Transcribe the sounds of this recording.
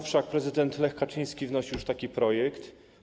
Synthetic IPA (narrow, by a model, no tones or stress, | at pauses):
fʂak̚pɾɛzɘd̪ɛnt̪lɛxkat͡ʂĩj̃skʲivnɔɕijuʂt̪akʲipɾɔjɛkt̪